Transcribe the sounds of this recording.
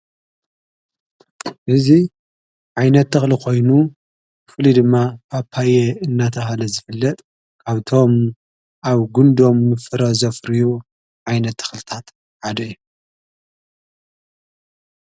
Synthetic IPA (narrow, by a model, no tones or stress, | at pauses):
ʔɨzi | ʕajnɐt̪ːɨxlikʰo̞jnu | kɨfɨlid̪ɨmːapʰapʰajeɨnːat̪ʰɐhalɐzɨfɨlːɐt̪ʼ | kʰaβt̪ʰo̞m | aβɡund̪o̞mːɨfɨɾɐzɐfɾiju | ʕajnɐt̪ʰːɨ̥xlɨt̪ʰat̪ | ħad̪ɐjːu